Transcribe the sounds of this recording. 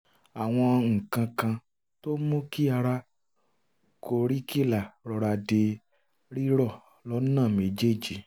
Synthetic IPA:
a˨w̃ɔ̃˧ŋ̩˨kã˧kã˧ | to˦mõ˦ki˦a˧ɾa˦ | ko˧˨ɾi˦ki˦˨la˨ɾɔ˧ɾa˧de˧ | ɾi˦ɾɔ˦˨ | lɔ˨˦nãː˦˨mẽ˨d͡ʒe˦˨d͡ʒi˨

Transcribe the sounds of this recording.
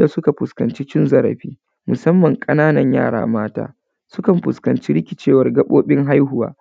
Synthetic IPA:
da˨sʊ˦ka˨ɸʊ˨skɐ˨nt͡ʃi˦t͡ʃɪ˦nzɐ˦ɾɐ̰˨ɸiː˦ | mʊ˨sɐ˦mːɐ˨ŋkʼɐ˦naː˦nɐ˨ɲja̰ː˦˨ɽa̰ː˨maː˦ta̰ː˦ | sʊ˦kɐ˨mɸʊ˨skɐ˨nt͡ʃi˦ɾɪ˦kʲɪ˨t͡ʃeː˦wɐ˦rɡɐ˦ɓoː˦ɓɪ˦ŋɦa˦jɦʊ˨wa̰ː˦

